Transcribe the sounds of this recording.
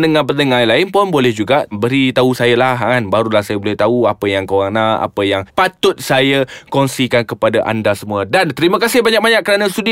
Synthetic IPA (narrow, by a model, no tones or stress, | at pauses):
nəŋãpənəŋalaɪnpɔnbolɛhd͡ʒuɡaʔbəɾit̪ausajəlaɦaŋanbaɾulahsajəbolɛht̪auapəjaŋkowaŋnaa̰pəjaŋpat̪ʊt̪̚sajakɔnsikankəpadaʔa̰ndasəmũədant̪əɾimə̃kasɪhbaɲak̚baɲak̚ːəɾanast̪udi